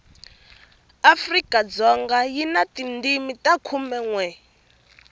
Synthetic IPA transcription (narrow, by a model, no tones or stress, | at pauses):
afrikʼad͡zɔŋɡajinatindimitʼakʰumɛŋwɛ